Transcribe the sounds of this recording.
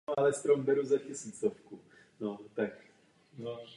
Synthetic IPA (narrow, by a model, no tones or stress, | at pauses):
alɛst̪ɾombɛɾuzacɪsiːt͡sofku | not̪ak